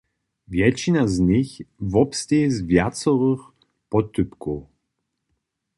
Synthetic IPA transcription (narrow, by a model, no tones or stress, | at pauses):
vjɛt͡ʃinazɲɪxvɔpstɛzvjat̪sɔʁɨx | pɔt̪ʏpkɔw